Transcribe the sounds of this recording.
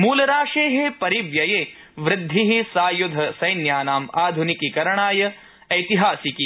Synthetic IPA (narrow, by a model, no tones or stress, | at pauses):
muːlɐɾaːʂeːɦepɐɾiʋjɐjeː | ʋɾɪd̪ʱːiɦisaːjud̪ʱɐsɐjnjaːnaːmaːd̪ʱunikikɐɾɐɳaːjɐ | ɐjt̪iɦaːsiki